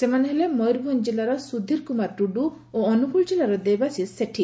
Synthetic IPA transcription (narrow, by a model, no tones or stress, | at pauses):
semanɦelemɔjɾbʱɔnd͡ʒelaɾɔsud̪ʱːiɾkumaɾɖuɖu | oɔnukuɭd͡ʒelaɾɔd̪ebasiseʈʰi